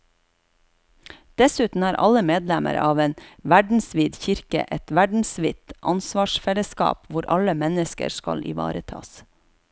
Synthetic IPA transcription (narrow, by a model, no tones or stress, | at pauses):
d̪̥ɛsʉːt̪n̩æːɾʔɑ̰ləmeːd̪lɛmə̰ɾɑːʋeːnʋæɖɳ̩sʋɪːd̪çɪɾkə̰ʔɛt̪ʋæɖɳ̩sʋɪt̪ʔɑnsʋɑːʃfɛləskɑ̰ːpʋʊɾʔɑləmɛnəskə̰ɾskɑ̰lʔɪ̰ʋɑ̰ːɾət̪ʰɑ̰ːs